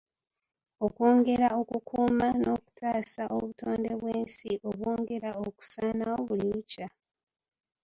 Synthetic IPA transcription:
o̞kwo̞ːŋɡe̞ɾao̞kukʰuːmano̞ku̥tʰaːsaʔo̞βuto̞ːnde̞βweːnsiʔo̞βwoːŋɡe̞ɾaoku̥saːnawo̞βuliβuca

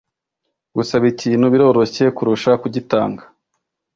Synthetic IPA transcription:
ɡusaβiciːnhuβiɾo̞ːɾo̞çe̞kuɾuʃakuɟita̰ːŋɡa

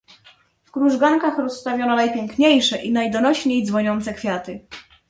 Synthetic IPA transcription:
fkɾuʐɡaŋkaxɾɔsːt̪avʲjɔnɔnajpʲjeŋkɲejʂɛʔinajd̪ɔnɔɕɲejd̪zvɔɲɔnt̪sɛkfʲjat̪ɘ

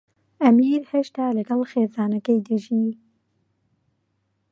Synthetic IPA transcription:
æmiːɾheʃt̪aːləɡɐlxeːzaːnɛkejd̪ɨʒiː

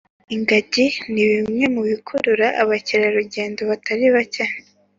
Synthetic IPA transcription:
iŋɡaɟiniβimŋe̞muβikʰuɾuɾaʔaβaciɾaɾuɟe̞ːndo̞βatʰaɾiβaca

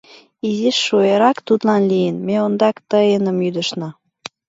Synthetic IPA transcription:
iziʃːojeɾɑkt̪ut̪lɑnlijənmeond̪ɑkt̪əenəmyd̪əʃnɑ

